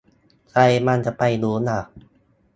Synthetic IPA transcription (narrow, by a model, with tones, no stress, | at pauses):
kʰa˧jma˧nt͡ɕa˨˩pa˧jluː˨˦˥na˧˩